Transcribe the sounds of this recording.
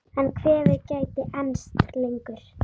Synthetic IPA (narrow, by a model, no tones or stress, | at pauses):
ɛnkʰvɛːvɪɾcaːjt̪ɪʔɛnst̪lejŋkʏɾ̥